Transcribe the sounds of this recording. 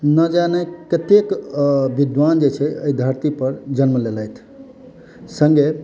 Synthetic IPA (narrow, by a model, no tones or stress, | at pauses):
nəd͡ʒanɛkət̪ekbid̪ʋand͡ʒet͡ʃʰɛəid̪ʱəɾt̪ipəɾd͡ʒənməlelajt̪ʰ | sə̃ŋɡe